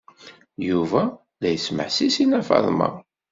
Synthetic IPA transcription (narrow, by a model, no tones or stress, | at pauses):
juvæ | ðæjəsmə̰ħsisinæfɑ̰ðˤmɑ̰